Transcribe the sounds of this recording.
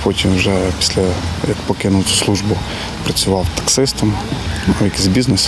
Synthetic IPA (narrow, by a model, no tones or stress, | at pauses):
pɔtʲimwʒɛpʲi̥sʲlʲɐjɐkpɔkɪnʊwt͡s̪ʲʊ̥slˠuʒbʊ | pɾɐt͡sʲʊʋɑwt̪ɐ̥ksɪst̪ɐmawjɐkʲizʲbʲiznes